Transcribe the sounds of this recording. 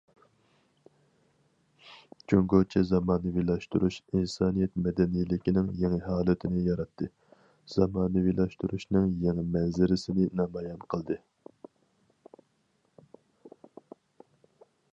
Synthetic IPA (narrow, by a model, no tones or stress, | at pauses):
t͡ʃʲʰøŋɡot͡ʃʰɛzɑmɑːnɨwilˠɑʃt̪uɾuʃinsɑːnijɛt̪mɛd̪ɛnijlɪkʲinɪŋjeŋɪɦɑːlˠɨt̪ʰɪnɪjɑɾɑt̪ʰːɨ | z̥ɑmɑːnɨwilˠɑʃt̪uɾuʃnɨŋjeŋɪmɛnzɪɾɪsɪnɪnɑːmɑjɑnqʰəlˠd̪ɨ